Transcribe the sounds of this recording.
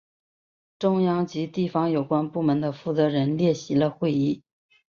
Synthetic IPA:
ʈ͡ʂʊ˥ŋjɑ˥ŋt͡ɕi˧˥t̪i˥˩fɑ˧˥ŋjo˨˩ʊkwa˥npu˥˩mə˧˥nd̪ə˧fu˥˩t͡sɤ˧˥ɻə˧˥nljɛ˥˩ɕi˧˥lə˧xwe˥˧ɪi˥˩

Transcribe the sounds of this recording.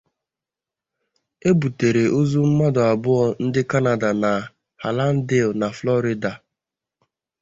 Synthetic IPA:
e˦bu˨te˨ɾe˨ʔo˦zu˦m̩˦ma˦dʊ˨a˨bʊ˦ɔ˦n̩˦dɪ˦ka˦na˨da˨na˨ | ha˨la˦n̩˦de˦˨na˨flɔ˦ɾɪ˦da˨

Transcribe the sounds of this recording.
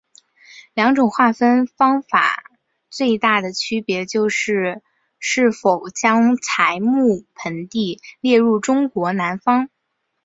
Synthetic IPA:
ljɑ˧˥ŋʈ͡ʂʊ˨˩ŋxwa˥˩fə˥nfɑ˥ŋfa̰˨˩ | t͡swe˥˧ɪt̪a˥˩d̪ə˩t͡ɕʰy˥pjɛ˧˥t͡ɕjo˥˧ʊʂɻ̩˥˩˧ | ʂɻ̩˥˩fo˨˩ʊt͡ɕjɑ˥ŋt͡sʰa˧˥ɪmu˥˩pʰə˧˥nt̪i˥˧ljɛ˥˧ɻu˥˩ʈ͡ʂʊ˥ŋkwɔ˧˥na˧˥nfɑ˥ŋ

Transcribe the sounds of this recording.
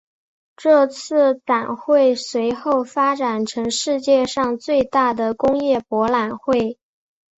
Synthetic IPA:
ʈ͡ʂɤ˥˧t͡sʰɹ̩˥˩t͡sa˨˩nxwe˥˩ɪswe˧˥ɪxo˥˩ʊfa˥ʈ͡ʂa˨˩nʈ͡ʂʰɤ˧˥ŋʂɻ̩˥˧t͡ɕjɛ˥˧ʂɑ˥˧ŋt͡swe˥˧ɪt̪a˥˩d̪ə˩kʊ˥ŋjɛ˥˩pwɔ˧˥la˨˩nxwe˥˩ɪ

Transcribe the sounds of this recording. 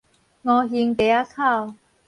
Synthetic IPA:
ŋɔː˨˧ɦiː˧nt̪e˨˧˦a˥kʰaː˥˩w

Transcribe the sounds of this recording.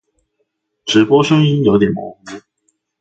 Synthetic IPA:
ʈ͡ʂɻ̩˨˥pwɔ˥ʂə˥ŋi˥njo˧˥ʊt̪jɛ˨˩nkʊ˥ŋu˥˩

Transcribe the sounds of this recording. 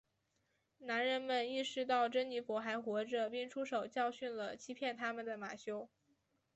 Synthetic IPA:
na˧˥nɻə˧˥nmə˨ni˥˩ʂɻ̩˥˧t̪ɑ˥˩ʊʈ͡ʂə˥nni˧˥fwɔ˧˥xa˧˥ɪxwɔ˧˥ʈ͡ʂə˧pi˥˩ŋʈ͡ʂʰu˥ʂo˨˩ʊt͡ɕjɑ˥˧ʊɕy˥˩nlə˩t͡ɕʰi˥pʰjɛ˥˩nt̪ʰa˥mə˨nd̪ə˩ma̰˨˩ɕjo˥ʊ

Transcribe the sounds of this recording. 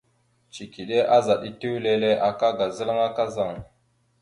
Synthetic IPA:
t͡ʃi˨ki˨ɗe˦ʔa˦za˨ɗi˦ti˦wle˨le˦ʔa˨ka˦ɡa˨zə˦la˦ŋa˦ka˦za˨ŋ

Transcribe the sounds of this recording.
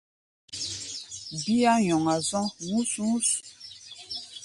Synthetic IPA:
bi˦a˦jɔ˨ŋa˨zɔ̃˦ŋu˦su˦su˨

